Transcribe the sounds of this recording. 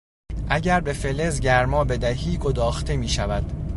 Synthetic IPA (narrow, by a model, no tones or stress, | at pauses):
ʔæɟæɾbe̞fe̞le̞zɟæɾmɒːbe̞d̪æɦiːɡo̞d̪ɒːxt̪ʰe̞miːʃævæd̪̥